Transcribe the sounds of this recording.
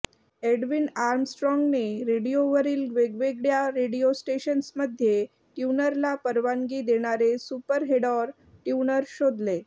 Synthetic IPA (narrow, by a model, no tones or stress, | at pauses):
eɖʋinaɾmsʈɾɔŋɡneɾeɽijoʋəɾiːlʋeɡʋeɡɽjaɾeɽijosʈeɕənsməd̪ʱje | ʈjunəɾlapəɾʋaŋɡiːd̪eɽ̃aɾesupəɾɦeɽɔɾ | ʈjunəɾɕod̪le